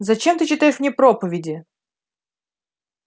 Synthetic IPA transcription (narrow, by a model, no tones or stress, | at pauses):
zɐt͡ɕemt̪ɨt͡ɕɪt̪ajɪʂmnʲepɾopəvʲɪdʲɪ